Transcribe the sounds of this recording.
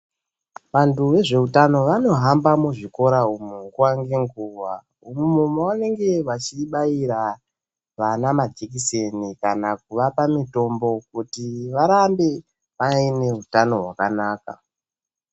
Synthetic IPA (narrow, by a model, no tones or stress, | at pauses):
ʋantuʋe̞ʐe̞utano̞ʋano̞ɦambamuʐiko̞ɾaumuŋɡuwaŋɡe̞ŋɡuːwa | umumumawane̞ŋɡe̞ʋat͡ʃiɓaiɾa | ʋanamad͡ʒekisenikanak̚uʋapamito̞mbo̞kutiʋaɾambe̞ | ʋaine̞ɦutano̞ɦwakanaːka̰